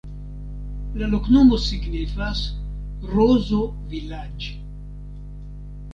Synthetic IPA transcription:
laloknomosiɡnifas | rozo | vilad͡ʒ

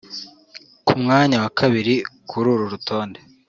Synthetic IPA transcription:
kʰumŋaːɲawakʰaβiɾikʰuɾuːɾuɾutʰo̞ːnde̞

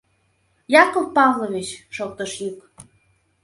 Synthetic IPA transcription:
jɑkə̆l̚pɑvloβet͡ɕʃok̚t̪əʃjuk

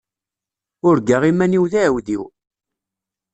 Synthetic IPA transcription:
ʊɾɡaʁimæniwðæwðiw

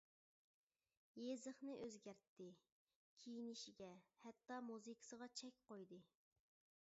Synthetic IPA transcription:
jezɨχnɨʔøzɡʲæɾt̪ːɪ | kʲʰijinɪʃiɡʲɛhɛt̪ːɑmuzɨkʰə̥səʁɑt͡ʃʰɛkʲqojd̪ɨ

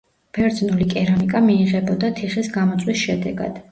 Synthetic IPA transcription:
b̥ɛɾd̪znulikʼɛɾamikʼamiːʁɛbɔd̪at̪ʰiχisɡamɔt̪sʼwisʃɛd̪ɛ̰ɡa̰d̪̥

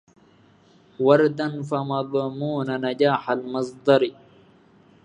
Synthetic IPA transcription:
wɑɾd̪anfɐmabamuːnanad͡ʒaːħalmɨsˤd̪ɑɾi

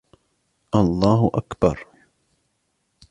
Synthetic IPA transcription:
ʔɑlˤːɑːɦʊʔakbɑ̰ɾˤ

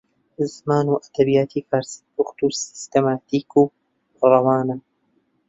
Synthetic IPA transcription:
zmaːnuːʔɐd̪̥ɐbijaːt̪ʰiːkʰaːɾsi̥buxt̪usɪ̥st̪emaːt̪iːkuː | rˤɑwaːnɐ

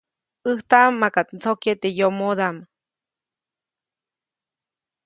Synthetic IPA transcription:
ɨht̪aʔmːakat̪nt͡sokjet̪ejomod̪am

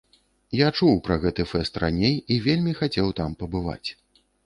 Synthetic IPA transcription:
jat͡ʂuwpɾɐɣɛt̪ɨfɛst̪ra̰nʲejivʲelʲmʲixat͡sʲɛwt̪ampɐbɨva̰t͡sʲ

